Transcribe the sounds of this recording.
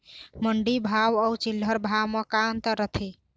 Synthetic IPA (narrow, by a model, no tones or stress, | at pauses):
məɳɖibʱawəwt͡ʃilːəɾbʱawmekant̪əɾət̪ʰi